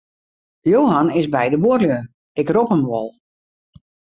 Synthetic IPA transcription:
joːɦanɪsbɛjdəbuərljə | ɪkropəmʋɔlˠ

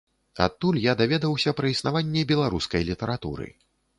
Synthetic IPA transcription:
a̰t̪ːulʲjad̪avʲɛd̪ɐwsʲɐpɾɐisnavanʲːɛbʲɛlˠaɾuskɐjlʲit̪ɛɾat̪ṵɾɨ̰

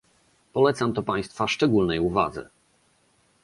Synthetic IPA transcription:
pɔlɛt̪samt̪ɔpaj̃st̪faʂt͡ʂɛɡulnɛjuva̰d̪zɛ̰

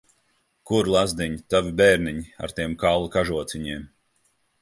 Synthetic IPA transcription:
kuɾlˠazd̪iɲit̪avibɛːɾniɲia̰ɾt̪iɛmkallˠakaʒuɔt̪siɲiɛm

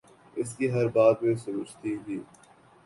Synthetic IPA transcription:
ɪskiɦɐɾbaːt̪mẽsʊɾʊːt͡ʃt̪iɦiː

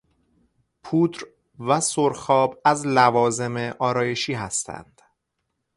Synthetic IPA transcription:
pʰuːd̪ɾ | væsoɾxɒːbæzlævɒːze̞meʔɒːɾɒːje̞ʃiːɦæst̪ʰæ̰nd̪̥

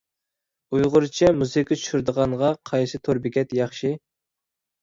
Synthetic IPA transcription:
ujʁʊɾt͡ʃʰɛmuzɨkʲet͡ʃʰu̥ʃyɾd̪əʁɑŋʁɑqʰɑjsɨt̪ʰoɾbɪkʲɛt̪jɑχʃi

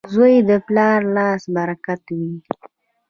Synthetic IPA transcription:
zojd̪əplɑɾlɑsbaɾakat̪wi

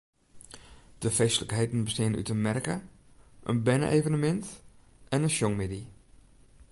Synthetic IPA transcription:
d̥əfejsələkɦejdn̩bəstɪəny̰tənmɛrkə | ʔə̰nbɛnə̰ʔeːvənəmɛnt | ɛnənʃɔŋmɪdi

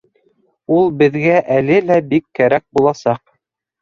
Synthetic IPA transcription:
ulˠbɘ̆ðɡæʔælɘlæbikːæɾæk̚bulˠɑsɑq

